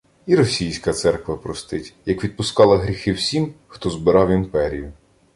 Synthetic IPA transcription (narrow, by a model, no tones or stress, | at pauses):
iɾɔsʲijsʲkɐt̪sɛrkʋɐpɾɔst̪ɪtʲjɐkʋʲid̪̚pʊskɑlˠɐɦɾʲixɪwsʲimxt̪ɔzbɪɾɑwimpɛɾʲijʊ